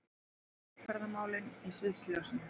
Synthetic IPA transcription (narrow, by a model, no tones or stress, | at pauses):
fɛɾðamaːwlɪnɛsvɪðsljawsɪn